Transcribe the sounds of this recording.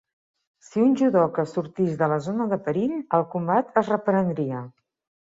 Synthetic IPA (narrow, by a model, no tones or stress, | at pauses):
siunʲʒuðɔkəsuɾt̪izðələzonəðəpəɾiʎəlˠkumbat̪əzrəpɾənd̪ɾiə